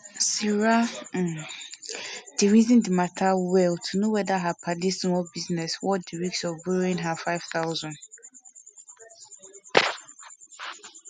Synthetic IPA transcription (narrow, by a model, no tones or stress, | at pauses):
siɹa | d̥iɹizĩndimatʰawɛltʰunowɛdaɦapʰaliswɔbiznɛswɔtdiɹiksɔbuɾĩnɦafaɪv̥θaʊzɔ̃nd